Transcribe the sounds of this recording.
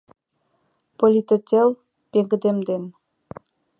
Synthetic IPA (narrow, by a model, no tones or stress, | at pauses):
polʲit̪et̪ʲel | peɡɘd̪emd̪en